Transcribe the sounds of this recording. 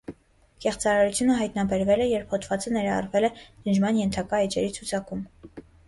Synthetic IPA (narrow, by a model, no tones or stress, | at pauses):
kɛχt͡sɑɾɑɾut͡sʰjunəɦɑjt̪nɑbɛɾvɛlɛjɛɾphɔt̪ʰvɑt͡sənɛɾɑɑ̰rvɛlɛnəd͡ʒmɑnjɛnt̪ʰɑkɑɛt͡ʃɛɾit͡sʰut͡sʰɑkum